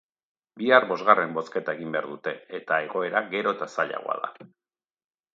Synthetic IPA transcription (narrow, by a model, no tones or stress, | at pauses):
biarbo̞zɣare̞mbo̞ske̞t̪ae̞ɣimbe̞aɾðut̪e̞et̪ae̞ɣo̞e̞ɾaɣe̞ɾo̞t̪asaʎa̰ɣoa̰ða̰